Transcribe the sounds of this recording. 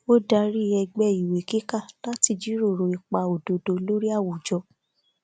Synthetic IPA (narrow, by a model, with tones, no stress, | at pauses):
o˦da˧ɾi˦˨ɛ˧ɡ͡bɛ˦˨i˨we˨ki˦ka˦˨la˦ti˧d͡ʒi˨˦ɾo˦˨ɾo˨i˨k͡pa˧˨o˨do˨do˧lo˦ɾi˦a˦˨wo˨d͡ʒɔ˧˦